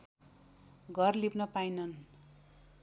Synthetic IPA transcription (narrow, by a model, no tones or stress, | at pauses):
ɡʱʌrlipnʌpajnʌn